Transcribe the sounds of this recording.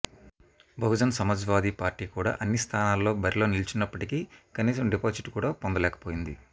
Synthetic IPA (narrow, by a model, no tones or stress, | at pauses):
bʱɐɦud͡ʒɐnɐsɐmɐd͡ʒʋaːd̪iːpaːɾʈiːkuːɽa̰ːʔɐnːist̪ʰaːnaːlːo̞ːbɐɾilo̞ːnilt͡ʃinːɐpːɐʈikikɐniːsɐmɖipoːsiʈkuːɽaːpond̪ɐlɛːkɐ̥po̞ːjind̪ḭ